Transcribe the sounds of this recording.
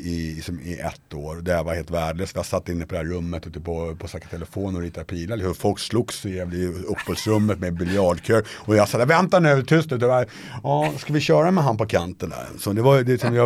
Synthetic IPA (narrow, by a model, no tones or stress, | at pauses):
ɪlɪksɔmɪʔɛ̰t̪ːoːɾɔd̪ɛavaɾheːlt̪væːɖɭøːsvɪhasat̪ːɪnːəpɔd̪ɛhæɾɵmːət̪ʉːt̪ːəpʰɔpʰɔsakːḁt̪ʰɛləfoːnɔɾiːt̪ːad̪pʰiːlalɪkfɔlksluːɡsɛvlɪɵpːɔːlsɾɵmːət̪mɛbɪljɑːɖkʰøːɾɔjɑsavɛnt̪anʉvt̪ʰʏst̪ʉːt̪ba | ɑːskavɪɕœːɾamɛɦanpɔkʰant̪ənd̪æ̰ɾsɔd̪ɛvajd̪ɛlksɔmjɑ